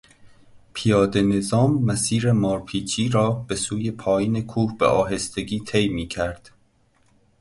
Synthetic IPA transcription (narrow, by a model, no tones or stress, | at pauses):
pʰijɒːd̪e̞ne̞zɒːmːæsiːɾe̞mɒːɾpʰiːt͡ʃʰiːɾɒːb̥e̞suːje̞pʰɒːjiːne̞kʰuːhb̥ḛʔɒːɦe̞st̪e̞ɡʲiːt̪ʰejmiːcʰæɾd̪̥